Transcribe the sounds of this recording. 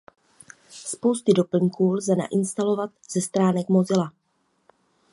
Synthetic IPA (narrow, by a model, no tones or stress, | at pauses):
spo̞wst̪ɪdo̞pl̩ɲkuːlzɛna̰ʔɪnst̪alo̞vat̪z̥ɛst̪ɾaːnɛkmo̞zɪla